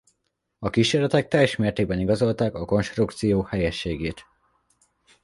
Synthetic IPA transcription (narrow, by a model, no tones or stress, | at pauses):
ɒkiːʃeːɾlɛt̪ɛk̚t̪ɛjɛʃmeːrt̪eːɡ̚bɛniɡɒzo̞lt̪aːkɒko̞nʃt̪rukt̪sijoːhɛjɛʃːeːɡeːt̪